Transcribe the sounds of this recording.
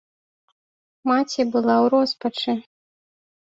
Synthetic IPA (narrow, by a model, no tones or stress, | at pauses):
mat͡sʲibɨlˠawɾɔspɐt͡ʂɨ